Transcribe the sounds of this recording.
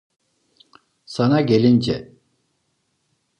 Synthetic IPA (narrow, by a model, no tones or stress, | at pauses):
sanaɟelʲind͡ʒɛ